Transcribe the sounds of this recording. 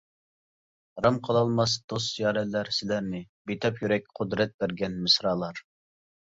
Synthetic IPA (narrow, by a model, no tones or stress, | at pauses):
ɾɑmqʰəlˠɑlˠmɑsd̪̥osjɑːɾɛlːæɾsɪlæɾnɪbet̪ʰɑpjyɾɛkʲqʰʊd̪ɾɛt̪̚bæɾɡʲɛnmɪsɾɑːlˠɑɾ